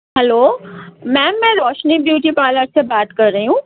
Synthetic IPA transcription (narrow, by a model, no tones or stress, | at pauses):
ɦɛloːmɛ̃ːmɛ̃ːɾɔːʃnibjuːʈipaːləɾsebaːt̪kɐɾːəɦiɦũː